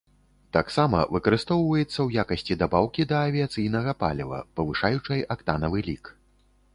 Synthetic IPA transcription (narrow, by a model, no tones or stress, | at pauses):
t̪aksamɐ̰vɨkɐɾɨst̪ɔwvɐjɛt̪sːɐwjakɐsʲt͡sʲid̪abawkʲid̪ɐːvʲiat̪sɨjn̪ɐɣɐpa̰lʲivɐ̰pɐvɨʂajut͡ʂɐjʔakt̪anɐvɨlʲik